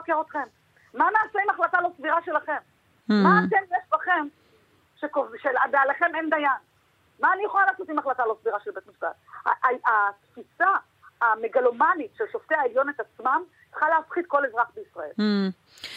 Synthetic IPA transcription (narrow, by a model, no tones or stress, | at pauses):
akeʁot̪χe̞mː | ameaseimaχlat̪alosviʁaʃe̞laχe̞m | maːkenjeʃbaχe̞m | ʃekovʃelabealeχe̞mend̪ajan | maːnijeχolalaːsot̪imaχlat̪alosviʁaʃelbe̞t̪miʃb̥a̰tha̰aat̪fisa | ameɡalomanitʃelʃoft̪eaeljo̞net̪at͡smam | jaχalaafχit̪ko̞lezʁaχbeisʁa̰e̞̰l